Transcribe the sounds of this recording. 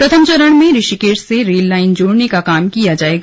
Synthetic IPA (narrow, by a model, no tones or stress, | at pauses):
pɾɐt̪ʰəmt͡ʃɐɾəɽ̃mẽɾɪʃikeːʈseɾeːlːaːɪnd͡ʒoːɽnekakaːmkijad͡ʒaːeːɡa